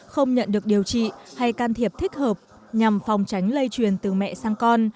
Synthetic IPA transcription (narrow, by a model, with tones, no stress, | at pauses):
xə˧wŋ͡mɲə̰˧˨nɗɨ˨˩ək̚ɗi˨˩əwt͡ɕḭ˧˨ha˧jkaː˧nt̪ʰi˨˩əp̚t̪ʰï˦˥k̟̚həː˨˩p̚ | ɲa˨˩mfɔ˨˩wŋ͡mt͡ɕa˨˦jŋ̟lə˧jt͡ɕwi˨˩ənt̪ɨ˨˩mɛ̰˧˨saː˧ŋkɔ˧n